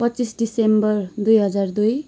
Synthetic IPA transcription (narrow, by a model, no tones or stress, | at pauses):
pʌtːt͡sisɖisembʌrd̪ujɦʌd͡zard̪uj